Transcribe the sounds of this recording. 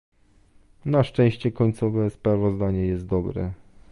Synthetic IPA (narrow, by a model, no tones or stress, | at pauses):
naʂt͡ʂɛ̃w̃ɕt͡ɕɛkɔɲt̪sɔvɛspɾavɔzd̪aɲɛjɛst̪̚d̪ɔbɾɛ̰